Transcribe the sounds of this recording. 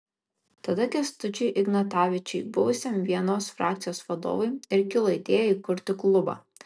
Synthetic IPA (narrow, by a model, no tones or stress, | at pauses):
t̪ɐd̪ɐkʲɛst̪ʊt͡ʃʲɛɪʔɪɡnɐt̪ɑːʋʲɪt͡ʃʲɛɪbʊʋʊsʲɛmʋʲiɛnoːsfɾʔɑ̰ːk̚t̪sʲɪjoːsʋɐd̪o̰ːʋɐɪɪɾkʲɪlˠɐɪt̪ʲeːjɛiːkʊɾʲt̪ʲɪklˠʊbɑ̰ː